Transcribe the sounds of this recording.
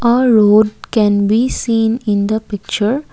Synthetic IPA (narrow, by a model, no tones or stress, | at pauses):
əːɾoːɖkɛ̃nbiːsĩːnɪ̃nd̪əpɪk̚t͡ʃəɾ